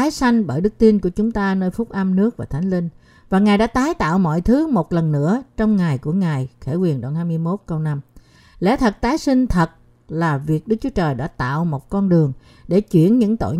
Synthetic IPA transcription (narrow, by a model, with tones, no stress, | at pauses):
aː˨˦jsa˧jŋ̟ɓəː˧˩jɗɨ˦˥k̚t̪i˧nku˧˩ət͡ɕʊ˨˦ŋ͡mt̪aː˧nəː˧jfʊ˦˥k͡p̚ʔa˧mnɨ˦˥ək̚vaː˨˩t̪ʰa˨˦jŋ̟lï˧ŋ | vaː˨˩ŋaː˨˩jɗa̰ː˧˥t̪aː˨˦jt̪a̰ː˧˨wmɔ̰˧˨jt̪ʰɨ˨˦mo˨˩t̚lə˨˩nːɨ̰˧˥ət͡ɕɔ˧wŋ͡mŋa˨˩jku˧˩əŋaː˨˩jxe˧˩kwi˨˩ənɗo˧˩nhaː˧jmɨ˧jmo˦˥t̚kə˧wna˧m | lɛ̰˧˥˦t̪ʰə˨˩t̚t̪aː˨˦jsï˧ŋ̟t̪ʰə˨˩t̚ | laː˨˩vi˨˩ək̚ɗɨ˦˥k̚t͡ɕu˨˦ə˦t͡ɕəː˨˩jɗa̰ː˧˥t̪a̰ː˧˨wmo˨˩t̚kɔ˧nɗɨ˨˩əŋ | ɗe˧˩t͡ɕwḭ˧˩ənɲɨ̰˧˥ŋt̪o̰˧˨j